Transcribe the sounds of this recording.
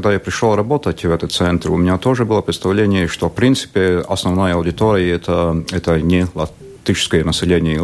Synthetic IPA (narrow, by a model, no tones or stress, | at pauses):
ɡd̪ajapɾʲɪʂlˠoɾɐbot̪ətʲvɛt̪ət̪sɛnt̪ɾʊmʲɪnʲat̪oʐɨbɨlˠəpɾʲɪt̪st̪ɐvlʲenʲɪjəʂt̪ofpɾʲint̪sɨ̥pʲeɐsnɐvnajəɐwdʲɪt̪oɾʲɪjɪɛt̪ʰəɛt̪ənʲelˠɐ | t̪ʲit͡ʃɪ̥skəjənɐsʲɪlʲenʲɪjə